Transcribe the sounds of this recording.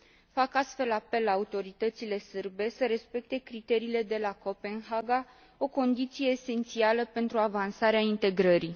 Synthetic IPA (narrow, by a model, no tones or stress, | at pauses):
fakast̪fe̞lape̞lːaːut̪o̞ɾit̪ət̪sile̞sɨrbe̞səɾe̞spe̞k̚t̪e̞kɾit̪e̞ɾiːle̞d̪e̞lako̞pe̞nɦaɡa | o̞ko̞nd̪it̪sije̞ːse̞nt̪sialəpe̞nt̪ɾuavansaɾeaint̪e̞ɡɾəɾi